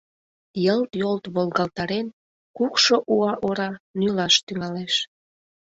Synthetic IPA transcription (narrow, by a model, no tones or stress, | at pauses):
jəlt̪jolt̪βolɣɑlt̪ɑɾen | kukʃoʔuɑʔoɾɑnylɑʃt̪yŋɑleʃ